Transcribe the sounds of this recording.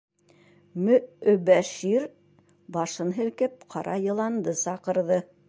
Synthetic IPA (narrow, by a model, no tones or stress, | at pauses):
mɵɵ̆bæʃiɾ | bɑʃɤnɦɘ̆lkɘp̚qʰɑɾʔɑjɤ̆lˠɑnd̪ɤsɑqɤ̆ɾðɤ